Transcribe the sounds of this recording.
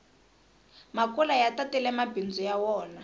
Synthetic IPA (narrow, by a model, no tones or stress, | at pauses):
makulajatatɛlɛmabind͡zɔjawɔːna